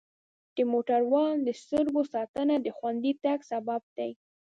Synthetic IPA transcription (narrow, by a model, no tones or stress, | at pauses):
d̪̥əmoʈaɾwɑnd̪əst̪ʊɾɡosɑt̪ənad̪əxwand̪it̪aɡsabab̚d̪̥aj